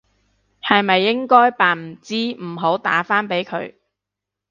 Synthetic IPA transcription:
hɐ˨jmɐ˨jːɪ˥ŋkɔː˥jpaː˨nm̩˨˩t͡siː˥m̩˨˩ɦo˨˥wt̪a̰ː˨˥faː˥npe˨˥jkʰɵ̰˨˧ɥ

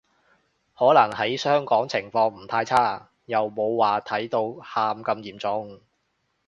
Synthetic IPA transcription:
hɔː˨˥lɐ˨˩ŋhɐ˨˥jsœː˥ŋkɔː˨˥ŋt͡sʰɪ˨˩ŋfɔː˧ŋm̩˨˩t̪ʰaː˧jt͡sʰaː˥ | jɐ˨wmo˨˧wːaː˨˩t̪ʰɐ˨˥jt̪o˧whaː˧mkɐ˧mjiː˨˩mt͡sʊ˨˥ŋ

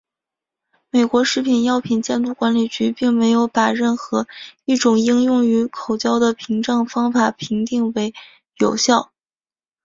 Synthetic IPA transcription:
me˨˩ɪkwɔ˧˥ʂɻ̩˥˩pʰi˨˩njɑ˥˧ʊpʰi˨˩nt͡ɕjɛ˥˧nt̪u˥˩kwa˧˥nli˨˩t͡ɕy˧˥pi˥˩ŋme˧˥ɪjo˧˥ʊpa˨˩ɻə˥˩nxɤ˧˥i˥˩ʈ͡ʂʊ˨˩ŋi˥ŋjʊ˥˩ŋy˧˥kʰo˨˩ʊt͡ɕjɑ˥ʊd̪ə˨pʰi˧˥ŋʈ͡ʂɑ˥˩ŋfɑ˥ŋfa˨˩pʰi˧˥ŋt̪i˥˩ŋwe˧˥ɪ | jo˨˩ʊɕjɑ˥˩ʊ

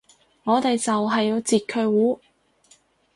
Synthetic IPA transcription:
ŋɔː˨˧t̪e˨jt͡sɐ˨wɦɐ˨jːiː˨˧t͡siː˨t̚kʰɵ˧ɥwuː˨˥

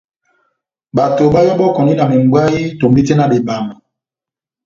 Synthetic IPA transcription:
ɓa˨to˨ɓa˦jɔ˦bɔ˦˨kɔ˨ndi˦na˨mi˨m˨ɡ͡bwa˦i˦to˨mbi˦te˦na˨be˨ba˨ma˨

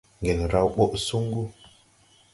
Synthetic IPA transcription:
ŋɡe˨n˨ɾa˦˨wɓo˦ʔsu˦ŋɡu˦

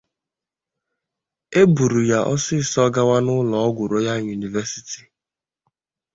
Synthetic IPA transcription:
e˦bu˨ɾu˨ja˦˨ʔɔ̰˦sɪ˦˨sɔ˦ɡa˦wa˦nʊ˦lɔ˨ɔ˦ɡʷʊ˨ɾo˦ja˦˨ɲu˨ni˨vɛ˦si̥˦ti̥˨

